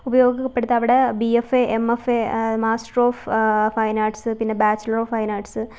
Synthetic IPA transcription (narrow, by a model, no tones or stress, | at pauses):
ubɐjo̞ːɡikːɐpːeɽut̪ːɐʋiɽebiefeʔemefemaːsʈroːffɐjnaːʈsɨpinːebaːt͡ɕːɐlɐɾoːfɐjnaːʈsɨ